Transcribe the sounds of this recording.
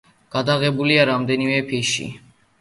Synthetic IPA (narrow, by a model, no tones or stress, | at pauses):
ɡ̥ad̪aɣɛbuliaɾamd̪ɛnimɛpʰiʃḭ